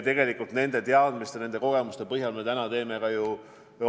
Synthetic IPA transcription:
t̪e̞ɡe̞likːˑult̪ne̞nd̪̥e̞t̪eɑd̪̥mist̪ene̞nd̪e̞ko̞ɡe̞must̪e̞pɤɦjɑlme̞t̪ænɑt̪e̞ːme̞kɑju

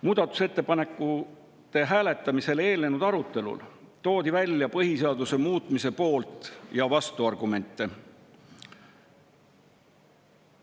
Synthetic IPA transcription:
muːd̪̥ɑt̪ːˑu̥se̞t̪ːe̞pɑne̞kːˑu | t̪e̞ɦæːle̞t̪ːˑɑmise̞le̞ːlnenud̪̥ɑɾut̪ˑːe̞lṵlt̪o̞ːd̪ivælʲːjɑpɤɦiseɑd̪̥use̞muːt̪ˑmise̞po̞ːlt̪ˑjɑvɑst̪uɑrɡ̥ume̞nʲt̪ˑːe

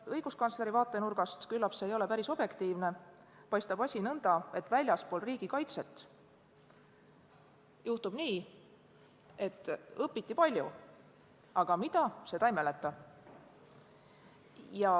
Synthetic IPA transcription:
ɤjɡ̥uskɑnsle̞ɾivɑːt̪ˑːe̞nurɡ̥ɑst̪kylːɑpseːjo̞le̞pæɾiso̞b̥je̞kt̪iːvne̞ | pɑjst̪ɑbɑsʲinɤnd̪̥ɑe̞t̪ːˑvælʲjɑspo̞lriːɡ̥ikɑjt̪se̞t̪ːˑ | juht̪ub̥niː | e̞t̪ːˑɤpːˑit̪ːˑipɑlʲju | ɑɡ̥ɑmid̪̥ɑse̞t̪ɑjmelet̪ːˑɑ | jɑ

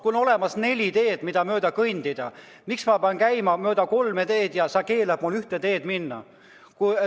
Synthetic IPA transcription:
kuono̞lemɑsne̞lʲit̪e̞ːd̪̥mid̪̥ɑmø̞ːd̪̥ɑkɤjnʲd̪̥id̪̥ɑ̰ | miksmɑpeɑnkæjmɑmø̞ːd̪̥ɑko̞lmet̪e̞ːd̪̥jɑsɑke̞ːlɑb̥mulyht̪et̪e̞ːd̪̥minːɑ̰ | ku

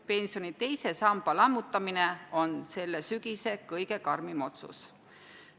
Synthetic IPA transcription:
pe̞nsijo̞nit̪e̞jse̞sɑmbɑlɑmːut̪ːˑɑmineo̞nse̞lːesyɡ̥ise̞kɤjɡe̞kɑrmimo̞t̪sṵs

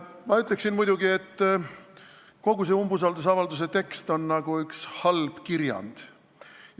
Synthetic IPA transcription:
mɑyt̪ˑle̞ksinmud̪̥uɡ̥ie̞t̪ː | ko̞ɡ̥us̬eumbus̬ɑld̪us̬ɑvɑld̪us̬e̞t̪e̞kst̪o̞nːnɑɡ̥uykshɑlb̥kirjɑ̰nd̪̥

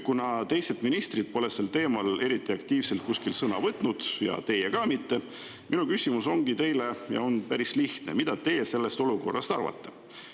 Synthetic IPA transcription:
kunɑt̪e̞jset̪minist̪rid̪̥̚po̞leselt̪e̞ːmɑle̞ɾit̪ˑːiɑkt̪iːvse̞lt̪̚kuskilsɤnɑvɤt̪ˑnud̪̥jɑ̰t̪e̞jekɑmit̪ːe̞ | mʔinukysimuso̞ŋɡ̥it̪e̞jle̞jɑ̰o̞npæɾisliht̪ne̞̰mid̪̥ɑt̪e̞jese̞lːe̞st̪o̞luko̞rːɑ̰st̪ɑrvɑ̰t̪ːˑe̞̥

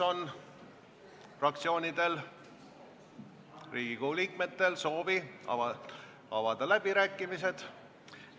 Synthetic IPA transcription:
o̞n | frɑk̚t̪sio̞ːnʲid̪̥e̞l | riːɡ̥ikoliːk̚me̞t̪ːe̞lso̞ːvḭ | ɑvɑd̪̥ɑlæb̥iɾæːkːˑimise̞d̪̥

